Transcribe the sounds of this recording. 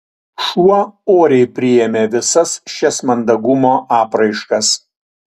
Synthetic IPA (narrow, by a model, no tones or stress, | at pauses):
ʃuɔoːɾʲɛɪpʲɾʲɪjɛmʲeːʋʲɪsɐsʃʲɛsmɐnd̪ɐɡʊmoːʔɑːpɾɐɪʃkɐs